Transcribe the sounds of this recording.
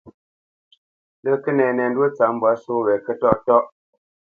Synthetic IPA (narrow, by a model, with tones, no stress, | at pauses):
lə˦kə˦nɛ˨nɛ˨n˦do˦t͡sa˨m̩˦bwa˨˦so˦wɛ˨kə˦tɔ˦ʔtɔ˦ʔ